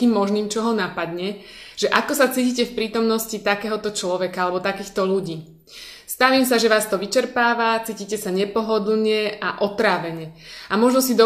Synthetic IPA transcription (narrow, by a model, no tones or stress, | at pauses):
kiːmːɔʒniːmt͡ʃɔɦɔnapad̪ɲɛʒ̥ɛʔakɔsat͡siːcicɛfpɾiːt̪ɔmnɔscit̪akɛːɦɔt̪ɔt͡ʃlɔʋɛkaalɛbɔt̪akiːxt̪ɔʎuɟiː | st̪aʋiːmsaʒɛʋaːst̪ɔʋit͡ʃɛɾpaːʋat͡siːcicɛsaɲɛpɔɦɔd̪l̩ɲɛaʔɔt̪ɾaːʋɛɲɛamɔʒnɔsid̪ɔ